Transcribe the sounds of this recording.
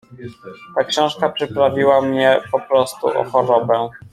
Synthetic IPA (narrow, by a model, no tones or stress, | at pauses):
t̪akɕɔ̃w̃ʂkapʂɘpɾavʲiwamɲɛpɔpɾɔst̪ṵʔɔ̰xɔɾɔbɛ